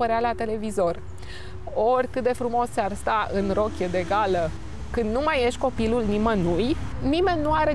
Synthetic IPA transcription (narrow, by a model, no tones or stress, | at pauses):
əɾealat̪e̞le̞vizo̞r | o̞rʲkɨt̪̚d̪e̞fɾumo̞sːearst̪aʔɨnro̞kʲed̪e̞ɡalə | kɨnd̪numaje̞ʃt̪̚ʲko̞pilulnimənujnime̞nʲːuaɾe̞